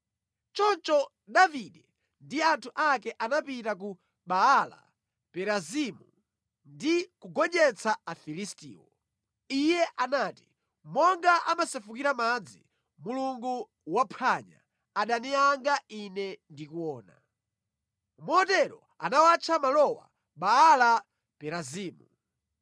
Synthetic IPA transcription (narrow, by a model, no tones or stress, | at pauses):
t͡ʃɔnt͡ʃɔ | ɗaviɗɛ | ndiantʰuʔakɛʔanapitak̬u | ɓaːla̰ | pɛɾazimu | ndikuɡɔɲɛt͡sʰaafilistḭːwɔ | ijɛʔanati | mɔŋɡaʔamasɛfukiɾamad͡zi | muluŋɡu | wapʰaɲa̰ | aɗaniaŋɡainɛndikuwɔːna | mɔɔtɛɾɔ | a̰nawat͡ʃʰamalɔwa̰ | ɓaala | pɛɾaziːmu